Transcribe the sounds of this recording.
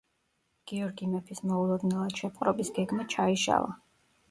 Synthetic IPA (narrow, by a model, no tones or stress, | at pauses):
ɡ̥iɔɾɡimɛpʰismɔulˠɔd̪nɛlˠad̪̥ʃɛpʼqʼɾɔbisɡɛɡmat͡ʃʰaiʃa̰lˠa̰